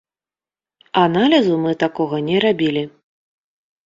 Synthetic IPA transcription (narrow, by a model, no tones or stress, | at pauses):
analʲizumɨt̪akɔɣɐnʲɛɾabʲilʲi